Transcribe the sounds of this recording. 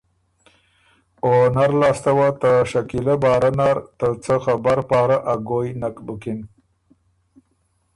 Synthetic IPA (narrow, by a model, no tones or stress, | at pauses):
onaɾlɑːst̪awat̪əʃakilabɑːɾanaɾt̪ət͡səxabaɾpɑːɾaʔaɡojnakbukɪn